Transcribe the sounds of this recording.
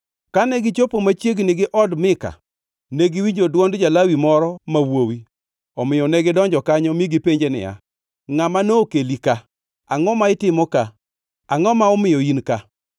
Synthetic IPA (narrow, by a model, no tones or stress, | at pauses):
kanɛɡɪt͡ʃopomat͡ʃjeɡnɪɡɪʔɔdmɪka̰ | neɡiwiɲd͡ʒodwɔndd͡ʒalawimɔɾɔmawowi | ɔmɪjɔnɛɡɪdɔɲd͡ʒɔkaɲɔmiɡipeɲd͡ʒenɪ̰ja̰ | ŋamanoːkelika | aŋɔmaɪtɪmɔka | aŋɔmaɔmɪjɔinka